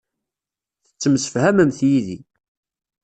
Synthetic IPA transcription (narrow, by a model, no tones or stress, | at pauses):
θə̥t͡sːəmsə̥fhæməmθjiði